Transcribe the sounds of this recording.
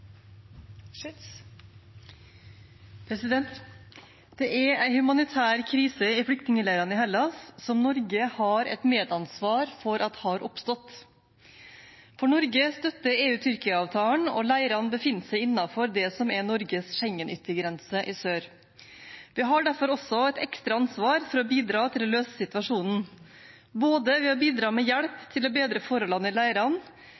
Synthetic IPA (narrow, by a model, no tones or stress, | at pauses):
pʰɾɛsɪd̪ɛnt̪ | d̪̥ɛʔæɾæɪhʉmɑnɪt̪ʰæːɾkʰɾiːsəɪfɽʏk̚t̪nɪŋəlæɪɾɑnɪhɛlːɑssɔmnɔɾɡəhɑɾɛ̰t̪meːd̪ɑnsʋɑːɾfɔɾʔɑt̪hɑɾʔɔpst̪ɔt̪ | fɔɳɔɾɡəst̪œt̪ːəeːʉːt̪ʰʏɾkəɑːʋt̪ʰɑːəɳɔ̰læɪɾɑnbəfɪnːəsæɪɪnːɑfɔɾd̪ɛsɔmɛnɔɾɡəsʃɛŋːənʏt̪ːəɾɡɾɛnsəʔɪsøːɾ | ʋɪɦɑɖæɾfɔɾɔsɔɛt̪ɛkst̪ɾɑɑnsʋɑːɾfɔɾɔbiːd̪ɾɑːt̪ʰɪlløːsəsɪt̪ʋɑʂuːnn̩ | boːd̪əʋɛɔbiːd̪ɾɑːmɛjɛɽpt̪ʰɪloːbeːd̪ɾəfɔɾəlɑnːəɪlæɪɾɑn